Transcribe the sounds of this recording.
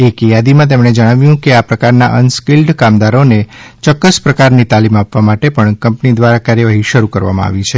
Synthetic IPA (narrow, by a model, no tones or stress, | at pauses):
ekjad̪imãt̪̬emɳed͡ʒəɽ̃aʋjũkeapɾəkaɾnaʔənskilɖkamd̪aɾonet͡ʃɔkːəspɾəkaɾnit̪alimapʋamaʈepəɳkəmpnid̪ʋaɾakaɾjəʋaɦiʃəɾukəɾʋa̰mã̰a̰ʋit͡ʃʰe